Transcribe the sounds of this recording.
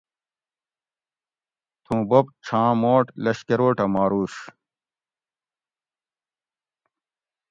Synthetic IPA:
t̪ʰũːbɐp̚t͡ɕʰãːmoːʈlɐɕkeɾoːʈɐmaːɾuːɕ

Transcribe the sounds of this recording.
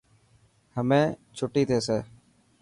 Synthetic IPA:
həmẽːt͡ʃʰʊʈiːt̪ʰeːseː

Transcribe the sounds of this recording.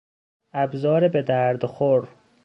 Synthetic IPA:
æbzɒːɾebed̪æɾd̪xoɾ

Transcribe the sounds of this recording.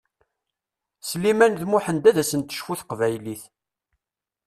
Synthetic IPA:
slimænðmuʊħənd̪æðæsənt̪ːə̥ʃfuθqvæjliθ

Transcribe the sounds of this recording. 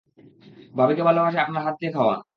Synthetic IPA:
bʱabikebʱalobaʃ̬eapnaɾɦat̪̚d̪ekʰaoa̰

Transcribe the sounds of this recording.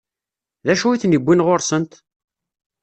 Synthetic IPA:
ðæʃuiθnibʷːinʁoɾsənt̪

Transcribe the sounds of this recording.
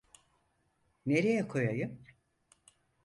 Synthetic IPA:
ne̞ɾejɛkʰo̞jajɯm

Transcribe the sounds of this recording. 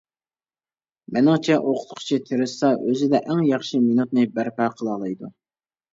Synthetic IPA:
mɛnɪŋt͡ʃʰɛʔoqʰʊ̥t̪qʰʊ̥t͡ʃʰit̪ʰeɾɪsɑʔøzɪd̪ɛʔæŋjɑχʃiminut̪̚nɨbæɾpæqʰəlˠɑːlˠɑjd̪u

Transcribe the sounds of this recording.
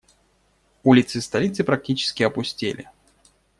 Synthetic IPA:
ulʲɪt̪sɨst̪ɐlʲit̪sɨpɾɐk̚tʲit͡ɕɪ̥skʲɪɐpʊsʲtʲḭlʲɪ̰

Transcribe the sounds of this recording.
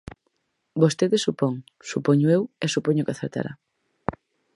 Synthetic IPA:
bost̪eðesupoŋ | supoɲʊewesupoɲʊkɪaθeɾt̪a̰ɾa̰

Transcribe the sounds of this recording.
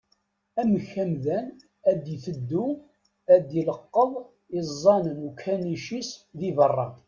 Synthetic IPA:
æməçːæmðæn | æd̪jiθəd̪ːu | æd̪jələqːəðˤ | izˤːɑnənukʰːæniʃisðivərˤːɑ

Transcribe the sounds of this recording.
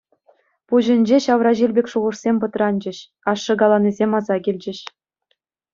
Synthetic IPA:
puʑɘ̆nʲd͡ʑeɕɑʋrɑʑilʲbʲekʲʂuʁɤ̆ʂsʲemʲpɤ̆t̪rɑnʲd͡ʑɘ̆ɕ | ɑʂːɤ̆ɡɑlˠɑnʲizʲemʲɑzɑɡʲilʲd͡ʑɘ̆ɕ

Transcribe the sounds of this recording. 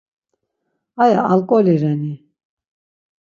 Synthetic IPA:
ajaalkʼɔliɾɛni

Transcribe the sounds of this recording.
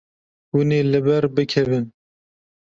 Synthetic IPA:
wuneːlɨbɛɾbɨkʰɛvɨn

